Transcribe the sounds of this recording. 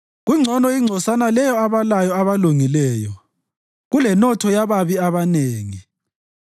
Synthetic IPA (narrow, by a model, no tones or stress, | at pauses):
ɣuŋ͡ǀʱɔnɔiŋ͡ǀʱɔsanalɛjɔaβalajɔaβaluŋilɛːjɔ̰ | ɣulɛnɔtʰɔjaβaβiaβaneːŋi